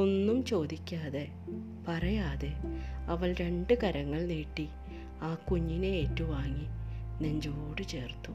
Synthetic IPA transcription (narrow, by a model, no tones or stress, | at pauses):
o̞nːumt͡ɕo̞ːd̪ikʲːaːðe̞ | pɐrɐjaːðe̞ɐʋɐɭɾe̞ɳɖɨkɐɾɐŋːɐɭneːʈːi | aːkuɲːineeːtːuʋaːŋːinend͡ʑoːɽɨt͡ɕe̞ːrt̪ːu